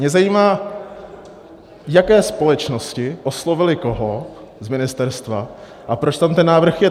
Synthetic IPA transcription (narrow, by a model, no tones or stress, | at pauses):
ɲɛzajiːmaː | jakɛːspo̞lɛt͡ʃno̞scɪʔoslo̞vɪlɪko̞ɦlo | zmɪnɪst̪ɛɾst̪va | ʔapɾot͡ʃt̪amt̪ɛnːaːvr̩xjɛ